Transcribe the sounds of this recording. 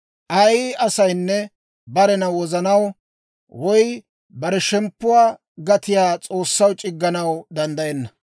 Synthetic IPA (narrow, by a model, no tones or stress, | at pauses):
ʔɐjʔɐsɐjnːɛ | bɐɾɛnɐwɔzɐnɐw | wɔj | bɐɾɛʃɛmpːʊwaː | ɡɐt̪ɪjaːt͡sʼo̞ːsːɐwt͡ʃʼɪɡːɐnɐwd̪ɐnd̪ɐjɛnːɐ